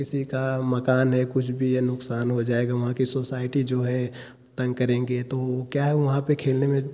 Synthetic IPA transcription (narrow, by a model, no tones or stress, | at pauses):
kɪsikamɐkaːnɦɛkʊt͡ʃʰbʱijenʊksaːnɦod͡ʒaːeːɡaʋɐɦãkisoːsaːɪʈid͡ʒoːɦɛ | t̪ɐ̃ŋɡ̚kɐɾẽːŋɡet̪okjaːɦɛʋɐɦãpekʰeːlnemẽ